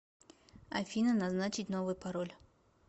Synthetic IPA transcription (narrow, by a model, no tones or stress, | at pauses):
ɐ̰fʲinənɐznat͡ɕɪt̪ʲnovʊjpɐɾolʲ